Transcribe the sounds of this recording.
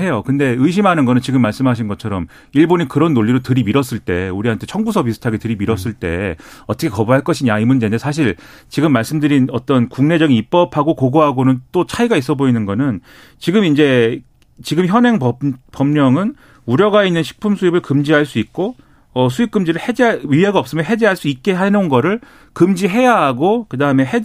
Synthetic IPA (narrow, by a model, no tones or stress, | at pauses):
e̞jokɯnde̞ɯiɕ̬ʰimɦanɯnɡʌnɯnt͡ɕiɡɯmːaɭs͈ɯmɦaɕ̬ʰinɡʌt͡ɕʰʌɾʌm | iɭbonikɯɾʌnːoʎːiɾotɯɾimiɾʌs͈ɯɭt͈e̞uɾiɦantʰet͡ɕʰʌŋbusʰʌpisʰu̥tʰaɡetɯɾimiɾʌs͈ɯɭt͈e̞̰ʌtʰʌkʰekʌbuɦaɭk͈ʌɕʰiɲaimund͡ʑendesʰaɕ̬ʰiɭ | t͡ɕiɡɯmːaɭs͈ɯmdɯɾinʌt͈ʌnkuŋne̞d͡ʑʌɡinip̚p͈ʌpʰaɡokoɡoɦaɡonɯnt͈ot͡ɕʰaiɡais͈ʌboinɯnɡʌnɯn | t͡ɕiɡɯmind͡ʑe̞ | t͡ɕiɡɯmçjʌnɦe̞ŋʌpʌmɲʌŋɯn | uɾjʌɡainːɯnɕʰi̥k̚pʰumsʰuibɯɭkɯmd͡ʑiɦaɭs͈uik̚k͈o | ʌsʰuip̚k͈ɯmd͡ʑiɾɯɭhed͡ʑɥieɡaʌp̚s͈ɯmjʌnɦe̞d͡ʑeɦaɭs͈uit̚k͈e̞ɦanonɡʌɾɯɭ | kɯmd͡ʑiɦe̞jaɦaɡokɯdaɯme̞ɦe